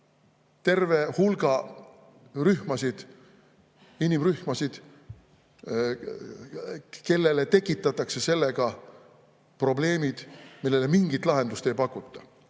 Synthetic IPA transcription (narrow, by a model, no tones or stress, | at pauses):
t̪e̞rve̞hulɡ̥ɑ | ryhmɑsid̪̥ | inimryhmɑsid̪̥ | ke̞lːe̞le̞t̪e̞kːˑit̪ˑːɑt̪ːˑɑkse̞se̞lːe̞ɡ̥ɑ | pro̞ble̞ːmid̪̥milːelemiŋɡit̪ːˑlɑɦe̞nd̪ust̪e̞jpɑkːˑut̪ˑːɑ̥